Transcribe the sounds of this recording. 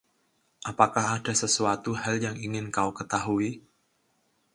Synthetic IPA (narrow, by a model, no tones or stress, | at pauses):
ʔapakahadasəsuat̪uhaljaŋiŋɪnkaukət̪aɦui